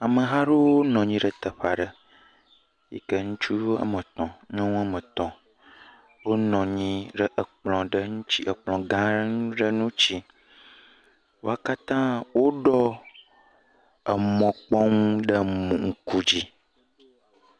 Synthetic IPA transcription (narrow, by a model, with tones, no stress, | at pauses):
a˨mə˨ɦa˦ɖo˦wo˦nɔ̃˨ɲĩ˦ɖə˨t̪ə˨ɸa˨ɖə˨ | jḭ˦˨kə˦ŋũ˦t͡ʃu˦wo˦a̰˦mə˨t̪ɔ̃˨ɲɔ̃˦ŋũ˦a˦mə̃˨t̪ɔ̃˨ | wo˦nɔ̃˨ɲĩ˦ɖə˦ʔə˨k͡plɔ̃˨ɖə˦ŋũ˦t͡ɕi˦ʔə˨k͡plɔ̃˨ɡã˦n˦ɖə˦nũ˦t͡ɕi˦ | wo̰˦a˦ka˦t̪ã˦wo˦ɖɔ˦ | ə˨mɔ̃˨k͡pɔ˦ŋũ˦ɖə˦mũ˨ŋ̩˦ku˦d͡ʑi˦